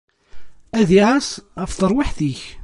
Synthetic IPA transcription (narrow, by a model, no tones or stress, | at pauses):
æðiʕæsʁəfθəɾˤwɪħθiç